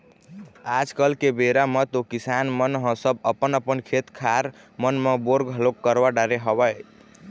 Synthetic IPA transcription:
ad͡ʒkəlkebeɾamet̪okisanmənɦə̃səbəpənəpənkʰet̪kʰaɾ | mənmeboɾɡɦəlokːəɾbaɖaɾeɦəβə

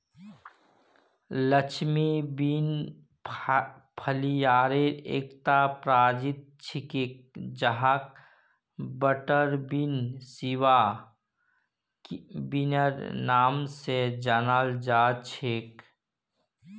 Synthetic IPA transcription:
lət͡ʃʰmibin | pʰəlijaːɾeḛːkt̪apɾaːd͡ʒɪt̪̚t͡ʃʰɪkek̚d͡ʒəɦak̚ | bəʈəɾbinsiwa | binəɾnaːmsed͡ʒanaːld͡ʒaːt͡ʃʰeːk

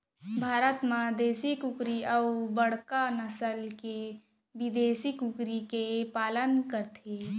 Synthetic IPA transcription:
bʱaːɾət̪mãd̪eːsikʊkɾiəwbəɽ̤kanəsəlke | bid̪eːsikukɾikepaːlənkəɾt̪ʰeː

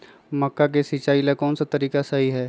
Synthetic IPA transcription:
mɐkːak̬esit͡ʃaːilakɔːnsat̪ɐɾiːkasɐɦiɦɛː

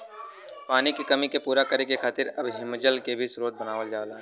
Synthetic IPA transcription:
paːnikikɐmikepuːɾakɐɾekekʰaːt̪ɪɾɐbɦɪmːəd͡ʒəlkebʱisɾoːt̪̚bənaːʋəld͡ʒaːlaːɦ

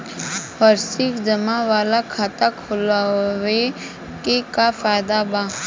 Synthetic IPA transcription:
fəɾsɪkd͡ʒəmãʋaːlakʰaːt̪akʰʊlawe | kekafaːd̪abãː

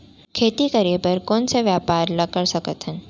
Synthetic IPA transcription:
kʰet̪ikəɾijepəɾkonseʋjapaɾləkəɭʃəkət̪ɦən

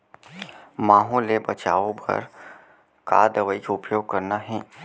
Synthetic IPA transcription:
mãːɦõlebɐt͡ʃa̰ːʋõbɐ̰ɾ | ka̰ːd̪ɐʋəikaʊpjoːɡ̚kɐɾnaɦɛ̃ː

